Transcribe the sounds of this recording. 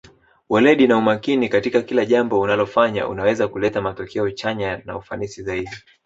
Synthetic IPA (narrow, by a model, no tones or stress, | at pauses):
wɛlɛɗinaumakinikatikakilaʄambɔunalɔfaɲa̰ʔṵnawɛzakulɛtamatɔkʰɛɔt͡ʃaɲana̰ufanisizaiɗi